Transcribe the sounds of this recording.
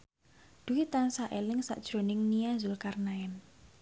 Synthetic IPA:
d̪̥uit̪ansaʔelɪŋsa̰ʔd̥ʒ̥ɾo̤nɪŋniazʊlkarnaɛn

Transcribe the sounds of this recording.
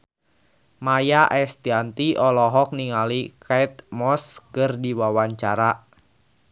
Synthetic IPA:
majaʔɛst̪iant̪iʔɔlɔɦɔk̚niŋalikʰait̪̚mɔskərdiwawaɲt͡ʃaɾa

